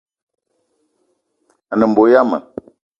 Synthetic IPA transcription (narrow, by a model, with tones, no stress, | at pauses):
a˨nə˨m̩˨bo˨ja˦mə̰˨